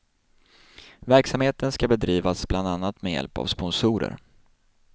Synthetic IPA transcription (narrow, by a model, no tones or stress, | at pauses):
væɾksamheːt̪ənskabɛd̪ɾiːvasbland̪anːat̪mɛjɛ̰lpa̰vspɔnsuːɾə̰ɾ